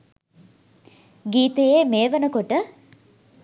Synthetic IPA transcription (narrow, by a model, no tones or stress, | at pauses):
ɡiːt̪ejeːmeːʋənəkoʈə